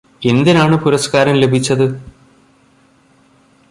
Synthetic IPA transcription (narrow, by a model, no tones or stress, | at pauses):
e̞nd̪inaːɳɨpuɾɐskaːɾɐmle̞bʱit͡ɕːɐðɨ